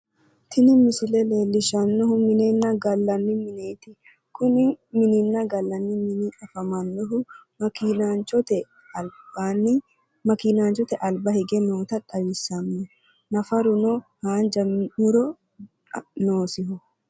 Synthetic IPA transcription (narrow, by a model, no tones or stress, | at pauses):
t̪ʰɪnɪmɪsɪlɛle̞ːlːɪʃɐnːɔhʊmɪnenːɐɡɐlːɐnːɪmɪneːt̪ɪ | kʊnɪmɪnɪnːɐɡɐlːɐnːɪmɪnɪᶑɐfɐmɐnːɔɦʊ | inant͡ʃɔt̪ɛ | ɐlbanɪ | mɐkinaːnt͡ʃɔt̪ɛʔɐlbɐhɛɡɛnoːt̪ɐᶑʼɐwɪsːɐmnɛ | nɐfɐɾʊnɔhaːnd͡ʒɐmʊɾɔ | noːsɪhʊ